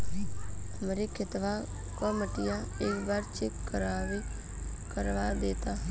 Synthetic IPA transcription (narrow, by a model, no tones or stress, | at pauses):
əmɾikʰɪt̪ʋa | koməʈɪjãeːkbaːɾt͡ʃʰɪkːəɾaːʋi | kəɾʋaːd̪eːt̪aː